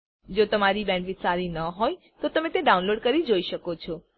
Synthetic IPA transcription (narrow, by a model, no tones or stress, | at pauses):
d͡ʒot̪əmaɾibɛ̃ɳɖʋisaɾinəɦoj | t̪ot̪əmẽt̪eɖaunloɖkəɾid͡ʒoiʃəkot͡ʃʰɔ